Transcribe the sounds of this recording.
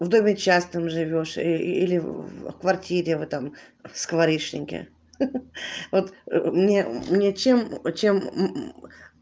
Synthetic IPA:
vd̪o̞mʲɪt͡ɕasnɨmʐɨvʲo̞ʂḭlʲɪfkvɐrtʲiɾʲɪvɨt̪am | skvɐɾʲiʂnʲɪ̰ŋʲkʲɪ̰ | vot̪mnʲemnʲet͡ɕe̞mt͡ɕe̞m

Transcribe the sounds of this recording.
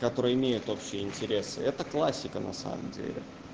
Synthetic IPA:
kɐt̪o̞ɾəɨjəɪmʲejʊt̪o̞pɕːɪjəɪnʲtʲɪɾʲesɨɛt̪əklˠasʲːɪkənɐ̰sa̰mə̰mdʲḛlʲɪ̰

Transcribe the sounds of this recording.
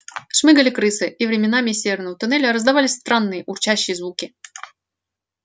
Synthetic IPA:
ʂmɨɡəlʲɪkɾɨsɨʔivɾʲɪmʲɪnamʲɪsʲevʲɪrnəvət̪ʊnɛlʲəɾəzd̪ɐvalʲɪst̪ɾanːɨjəʔʊrt͡ɕaɕːɪjəzvukʲɪ

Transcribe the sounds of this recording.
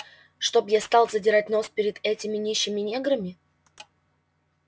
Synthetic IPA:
ʂt̪o̞bjast̪ɑlˠzədʲɪɾatʲno̞spʲɪɾʲɪd̪ɛtʲɪmʲɪnʲiɕːɪmʲɪnʲeɡɾəmʲɪ

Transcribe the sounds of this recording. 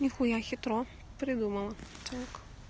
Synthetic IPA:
nʲixʊjaxit̪ɾɔ | pɾid̪umɐlˠɐt̪ʰak

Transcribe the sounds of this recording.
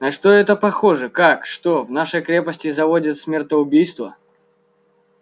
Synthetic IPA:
nɐʂt̪oɛt̪əpɐxo̞ʐɨkakʂt̪ovnaʂəjkɾʲepəsʲtʲɪzɐvodʲɪt̪sʲmʲɪrt̪əʊbʲijst̪və̰

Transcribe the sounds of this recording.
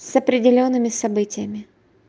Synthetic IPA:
sɐpɾʲɪdʲɪlʲo̞nːɨmʲɪsɐbɨtʲɪjəmʲɪ

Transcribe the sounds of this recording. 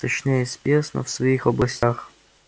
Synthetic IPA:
t̪ɐt͡ɕnʲejɪspʲesnə̰fsvɐixɔblˠɐsʲtʲax

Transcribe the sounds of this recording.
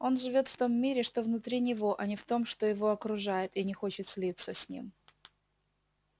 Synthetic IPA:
o̞nʐɨvʲo̞t̪ft̪o̞mːʲiɾʲɪʂt̪o̞vnʊt̪ɾʲinʲɪvo̞ʔɐnʲɪft̪o̞mʂt̪o̞jɪvo̞ɐkɾʊʐajɪt̪ɪnʲɪxo̞t͡ɕɪt̪sʲlʲit̪sːəsʲnʲḭm

